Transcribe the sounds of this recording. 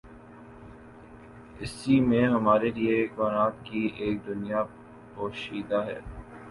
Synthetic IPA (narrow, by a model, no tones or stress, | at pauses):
ɪsimẽɦɐmaːɾeliekaːnaːt̪kiʔeːk̚d̪ʊnija | poːʃiːd̪aɦɛ̰ː